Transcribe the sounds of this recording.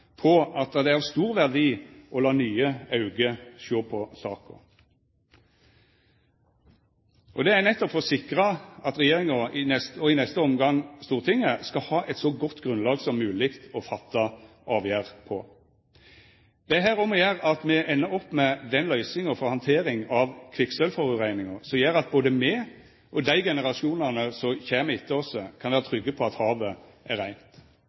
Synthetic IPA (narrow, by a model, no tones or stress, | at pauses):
pʰɔɑt̪̚d̪ɛd̪ɛæɑst̪uːʁʋæʁd̪iːʔɔlɑːnyːəɑʉɡəʃøːpʰɔsɑ̰ːkɔ̰ | ʔɔd̪ɛænɛt̪ːɔpfɔsɪkɾɑɑt̪ʁɛjeːʁɪŋɔɪnɛst̪ɔɪnɛst̪əɔmɡɑŋst̪uːʁt̪ʰɪŋːəskɑhɑːʔɛt̪sɔɡɔt̪ːɡʁʉnlɑːɡsɔmːʉːlɪkt̪ɔfɑt̪ʰːɑ | ʔɑːʋjæːʁpʰɔ | d̪̥ɛæɦæːɾɔmɔjæːʁɑt̪mɛʔɛnːəɔpːmɛd̪ɛnlœʏsɪŋɔfɔhɑnt̪ʰeːɾɪŋɑʋkʰʋɪksœlfɔɾʉʁæɪnɪŋɑsɔjæːɾɑt̪̚boːd̪əmɛ | ʔɔd̪æɪɡɛnəʁɑʃɪuːnɑnəsɔçæːmɛɪt̪ʰːəɔsəkʰɑnʋæːɾət̪ʰɾʏɡːəpʰɔɑt̪hɑːʋə | æɾæɪnt̪